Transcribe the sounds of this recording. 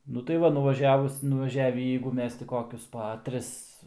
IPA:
ˈnʊ tɐɪ ˈʋɐ nʊʋɐˈʒʲæːʋʊs nʊʋɐˈʒʲæːʋʲiː jɛɪɡʊ ˈmʲɛs tʲɪ ˈkoːkʲʊs pɐ ˈtʲrʲɪs

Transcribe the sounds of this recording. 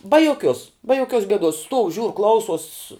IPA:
bɐ joːˈkʲuɔs bɐ joːˈkʲuɔs ɡʲɛˈduɔs stuɔw ʒʲuːr ˈklˠɐʊsoːs

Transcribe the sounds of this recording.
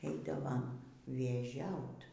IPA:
ˈɛɪdɐʋoːm ʋʲeːˈʒʲɛʊt

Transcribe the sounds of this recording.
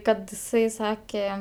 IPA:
ˈkɐt ɪˈsɐɪ ˈsɑːkʲɛ

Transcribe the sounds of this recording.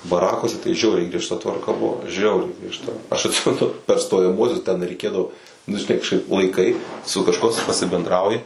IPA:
bɐˈrɑːkuɔsʲɛ tɐɪ ˈʒʲɛʊrʲɛɪ ɡrʲiɛʃˈtɐ tʋɐrˈkɐ ˈbʊʋoː ˈʒʲɛʊrʲɛɪ ɡrʲiɛʃˈtɐ ɐʃ ɐtʲˈsʲɪmʲɛnʊ pʲɛr stoːjɛˈmuɔsʲʊs tʲɛn rʲɛɪˈkʲeːdɐʋoː nʊ ʒʲɪˈnɐɪ kɐʃˈkɐɪp lˠɐɪˈkɐɪ sʊ kɐʃˈkuɔ s pɐsʲɪbʲɛndˈrɐʊjɪ

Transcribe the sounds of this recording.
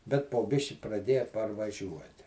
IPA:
bʲɛt poː ˈbʲɪʃʲkʲɪ prɐˈdʲeːjɛ pɐrʋɐˈʒʲuɔtʲɪ

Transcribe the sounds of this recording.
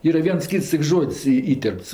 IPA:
ˈiːrɐ ˈʋʲiɛns ˈkʲiːts tʲɪk ˈʒoːtʲsʲ iː ˈiːtʲɛrpts

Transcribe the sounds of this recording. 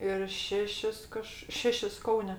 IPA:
ɪr ˈʃʲæːʃʲɪs ˈkɐʃ ˈʃʲæːʃʲɪs ˈkɐʊnʲɛ

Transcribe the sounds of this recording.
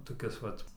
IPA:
toːˈkʲɪs ˈʋɐt

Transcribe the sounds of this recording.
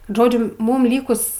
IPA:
ˈʒoːd͡ʒʲʊ ˈmuːm ˈlʲiːkʊs

